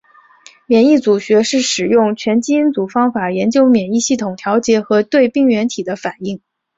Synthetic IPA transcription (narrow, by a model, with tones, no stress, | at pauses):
mjɛ˨˩ni˥˩t͡su˨˩ɕɥɛ˧˥ʂɻ̩˥˩ʂɻ̩˨˩jʊ˥˩ŋt͡ɕʰɥɛ˧˥nt͡ɕi˥i˥nt͡su˨˩fɑ˥ŋfa˨˩jɛ˧˥nt͡ɕjo˥ʊmjɛ˨˩ni˥˧ɕi˥˩t̪ʰʊ˨˩ŋt̪ʰjɑ˧˥ʊt͡ɕjɛ˧˥xɤ˧˥t̪we˥˧ɪpi˥˩ŋɥɛ˧˥nt̪ʰi˨˩d̪ə˦fa˨˩ni˥˩ŋ